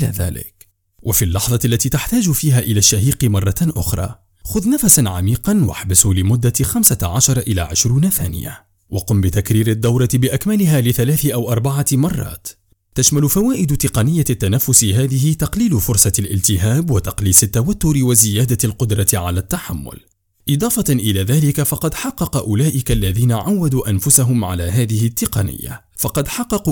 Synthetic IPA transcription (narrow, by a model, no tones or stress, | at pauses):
la̰ːða̰ːlɪ̰k | wʔafiːlːɑħðˤɑlːat̪iːt̪aħt̪aːd͡ʒfiːɦaːʔɪlaʃːaɦiːqmɑrˤːɑʔʊ̰xɾˤɑ̰ː | xʊðnafasanʕamiːqɑnwa̰ħbɪsulɪmʊd̪ːaxamsaʕaʃɑɾˤʔɪla̰ːʕɪʃɾuːnaθa̰ːnɪ̰ja̰ | waqʊmbɪt̪akɾiːɾɪd̪ːawɾˤɑt̪bɪʔakmalɪɦaːlɪθalaːθɪʔawʔɑɾˤbaʕamɑrˤːɑ̰ːt̪ː | aʃmalʊfawaːʔɪd̪t̪ɪqɑnɪjːat̪ːanafːʊsɦaːðɪhɪt̪ɑqliːlʊfʊɾsˤɑlʔɪ̰lt̪ɪɦaːbwat̪ɑqliːsɪt̪ːawat̪ːʊɾɪwazɪjaːd̪alqʊd̪ɾˤɑʕalaːt̪ːaħamːʊ̰l | ʔɪd̪ˤɑːfɑʔɪlaːðaːlɪkafɑqɑd̪ħɑqːɑqɑʔʊlaːʔɪkalːaðiːnaʕawːad̪uːʔanfʊsaɦʊmʕa̰laːɦaːðɪhɪt̪ːɪqɑ̰nɪ̰jːa̰ | fɑqɑd̪ħɑqːɑqu